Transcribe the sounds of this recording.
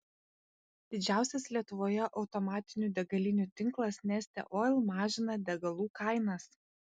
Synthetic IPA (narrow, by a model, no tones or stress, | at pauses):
d̪̥ʲɪd͡ʒʲæˑʊsʲɛslʲiɛt̪ʊʋoːjɛʔɒʊt̪ɔmɑːt̪ʲɪnʲuːd̪ʲɛɡɐlʲɪnʲuːt̪ʲɪŋklˠɐsnʲɛsʲt̪ʲɛ̰ʔoːlˠmɑːʒʲɪnɐd̪ʲɛɡɐlˠuːkɑˑɪnɐs